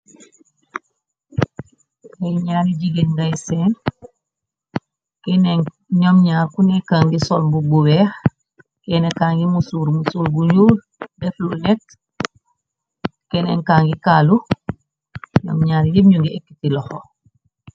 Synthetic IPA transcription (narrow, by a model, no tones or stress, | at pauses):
jajɲaːniɟiɡenɡajseːn | keneŋ | ɲomɲaːɾkunekaːŋɡisɔlmbubuwɛːx | kɛnekaːŋɡimusuːɾmusuːlbuɲuːl | dɛflunet | kenḛŋkaːŋɡikaːlu | ɲo̰mɲaːɾjibɲuŋɡiekːitilɔxo